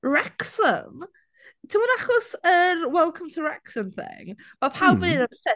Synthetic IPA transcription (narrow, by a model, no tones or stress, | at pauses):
ɹɛksə̰m | tʰəwənaχɔsənwɛlˠkʰə̃mtʰəɹɛksə̃mθɪ̰ŋmapʰalˠvəɪnãmsɛ